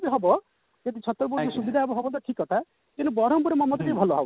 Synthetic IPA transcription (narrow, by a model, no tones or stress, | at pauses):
biɦɔbɔ | d͡ʒɔd̪it͡ʃʰɔt̪ːɔɾbɔɾɔsubid̪ʱaɛbɔɦɔbɔnt̪ɔʈʰikɔt̪ʰa | kinubɔɾɔmpuɾemɔmɔt̪ekebʱɔlɔɦɔb